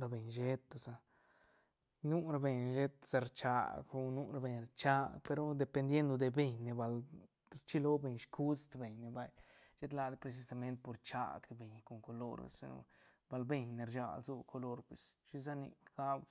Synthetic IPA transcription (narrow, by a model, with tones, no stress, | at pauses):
ɾa˧be˨ɲʃe˦t̪a˨za˧ | nu˦ɾa˧be˨ɲʃe˦t̪sa˧ɾt͡ʃa̰˧ɡo˧nu˦ɾa˧be˧ɲɾat͡ʃa˦pe˧ɾo˦d̪e˧pe˧nd̪je˦nd̪o˧d̪e˧be˧ɲne˧ba˧l | ɾt͡ʃi˦lo˦be˧ɲʃkʰu˦st̪be˨ɲne˨ba˧j | ʃe˦t̪la˧d̪pɾe˧s̬i˧sa˧me˦nt̪̚po˧ɾt͡ʃa̰˧kd̪e˨be˨ɲko˨ŋko˨lo̰˧ɾ̰sḭ˧no̰˧ba˧lbe˧ɲne˨˧ɾt͡ʃa̰˧˨lzu˧kʰo˧lo˧ɾpwe˨sʃi˦za˦nḭ˧ɡ̥a˦b